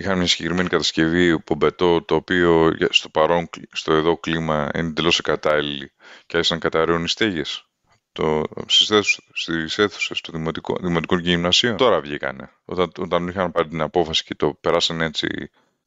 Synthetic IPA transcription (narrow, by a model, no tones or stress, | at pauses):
ixɐnmɲɐsi̥ɟe̞kɾime̞nikɐt̪ɐsce̞vipobe̞t̪o̞t̪o̞ːpioʝɐst̪o̞pɐɾo̞nst̪oeðo̞klimɐḭned̪elo̞sekɐt̪ɐliliceɐçisɐŋkɐt̪ɐɾeonist̪eʝe̞s | t̪osisθest̪ise̞θu̥sest̪oimot̪iko̰ðimo̞t̪ikonʝimnɐsio̞nt̪o̞ɾɐvʝikɐ̰ne̞̰ | o̞̰t̪ɐot̪ɐnixɐnpɐɾit̪inɐpo̞fɐsi̥ce̞t̪o̞pe̞ɾɐsɐne̞t͡sḭ